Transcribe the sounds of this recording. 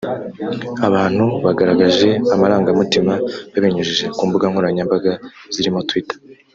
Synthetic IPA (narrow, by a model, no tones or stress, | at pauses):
aβaːn̥huβaɡaɾaɡaʒe̞amaɾaːŋɡamutimaβaβeɲuʒiʒe̞kuːmbuɡaŋhoɾaɲambaɡaz̥iɾimo̞twitḁ